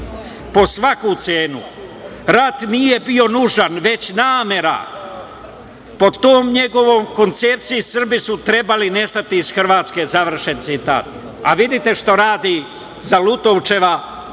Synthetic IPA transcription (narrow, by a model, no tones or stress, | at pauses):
po̞sʋakut̪seːnṵ | ɾat̪nije̞bio̞nuʒanʋe̞t͡ɕnaːmje̞ɾa̰ | po̞d̪t̪oːmɲe̞ɡo̞ʋomko̞nt̪se̞p̚t̪sijisr̩bisut̪ɾe̞baline̞st̪at̪iːz̥xr̩ʋaːt̪ske̞zaʋr̩ʃe̞nt̪sit̪a̰ːt̪ | a̰ʋid̪it̪e̞ʃt̪o̞ɾaːd̪i | zalut̪owt͡ʃe̞ʋa